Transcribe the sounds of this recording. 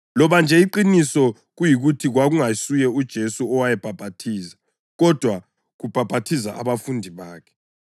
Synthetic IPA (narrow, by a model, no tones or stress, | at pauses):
lɔβand͡ʒʱɛiǃinisɔ | ɣujiɣutʰiɣwaɣuŋasujɛud̥ʒ̥ʱesuɔwajɛb̥ʱab̥ʱatʰiːzḁ | ɣɔd̥ʱwa | ɣub̥ʱab̥ʱatʰiza̰ʔa̰βafundʱiβaːkʰɛ̥